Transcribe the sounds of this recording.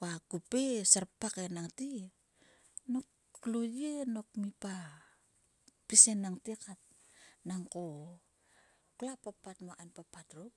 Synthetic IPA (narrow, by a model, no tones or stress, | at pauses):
wakupesaɾpːakenaŋti | nok | lujeno̞kmipa | pisenːaŋtikat̚ | naŋko | kulapapatmaʔanpapatɾup̚